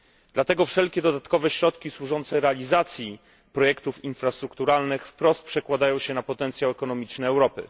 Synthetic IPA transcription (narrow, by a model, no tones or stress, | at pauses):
d̪̥lat̪ɛɡɔfʂɛlkʲɛd̪ɔd̪at̪kɔvɛɕɾɔt̪kʲiswuʐɔnt̪sɛɾɛalʲizat̪sʲji | pɾɔjɛkt̪ufinfɾast̪ɾukt̪uɾalnɘxfpɾɔst̪̚pʂɛkwad̪ajɔ̃w̃ɕɛnapɔt̪ɛnt̪sʲjawɛkɔnɔmʲit͡ʂnɛːwɾɔpɘ̰